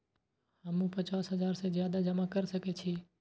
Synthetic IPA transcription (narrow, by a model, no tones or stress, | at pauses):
həmũpət͡ʃaːsɦəzaːɾsezjaːd̪ad͡ʒəmakəɾsəket͡ʃʰiː